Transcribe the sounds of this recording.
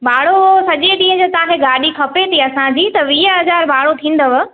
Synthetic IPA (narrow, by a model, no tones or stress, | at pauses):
baːɽosɐʄeɗĩːə̃d͡ʑoːt̪ɐãkeɡaːɗikʰɐpet̪ʰiɐsãd͡ʑiːt̪ɐʋiːəɦɐzaːɾbʱaːɭot̪ʰĩːn̆d̪əʋ